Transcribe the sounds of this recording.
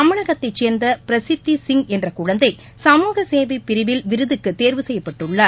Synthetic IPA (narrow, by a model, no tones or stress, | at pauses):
ɐmɐɻɐɣɐt̪ːɐɪt͡ʃeːɾnd̪ɐpɪɾɐsɪt̪ːisɪŋɡɛndrɐkʊɻɐnd̪ɐɪ | sɐmuːɣɐseːʋɐɪpːɪɾɪʋɪlʋɪɾɯðɯkːɯt̪ːeːɾʋɯsɛjːɐpːɐʈːɯɭːɐ